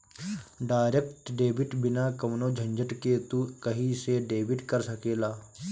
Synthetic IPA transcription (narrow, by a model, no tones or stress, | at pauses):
ɖaːɾek̚ʈɖeːbiʈbɪnakɐʋnoːd͡ʒʱɐ̃ɲd͡ʒəʈket̪ukɐɦiseɖeːbɪʈkəɾsɐkeːlaː